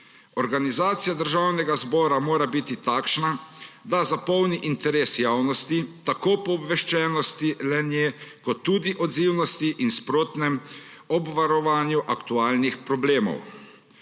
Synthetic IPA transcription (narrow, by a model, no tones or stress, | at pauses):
ɔɾɡanizaːt̪sijad̪əɾʒaːwnɛɡazbɔːɾamoːɾabit̪it̪aːkʃnad̪azapɔwniʔint̪ɛɾeːsjaːwnɔst̪it̪akoːpɔːbʋɛʃt͡ʃɛːnɔst̪ilɛnjɛkɔt̪ːuːd̪iʔɔd̪ziːwnɔst̪iʔinspɾoːt̪nɛm | ɔbʋaɾɔʋaːnjuʔakt̪uaːlnixpɾɔbleːmɔ̰w